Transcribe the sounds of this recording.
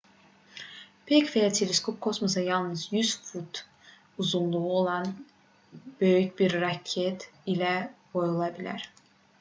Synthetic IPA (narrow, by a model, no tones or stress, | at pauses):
pʰɛcvejat̪ʰelʲeskʰop̚kʰo̞smosajalˠnɯzjyz̥fut̪ʰ | uzunlˠuolˠan | bø̞jycbiɾːacʰːɛt̪ʰilʲɛbo̞julˠabilʲæ̰ɾ̥